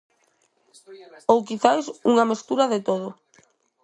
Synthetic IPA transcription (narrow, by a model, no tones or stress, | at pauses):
owkiθajsuŋamest̪uɾaðet̪oð̞ʊ